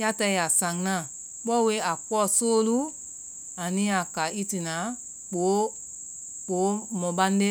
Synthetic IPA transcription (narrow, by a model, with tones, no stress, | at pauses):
ja˦tɛ˧˦ja˨sã˨ŋnã˦˨ | k͡pɔ˦˨we˦a˨k͡pɔ˦˨soː˦lu˦ | a˨nĩ˦a˨ka˨i˦ti˨nã˨˦ | k͡po˨˦ | k͡po˨˦mɔ̃˨bã˦n˦de˦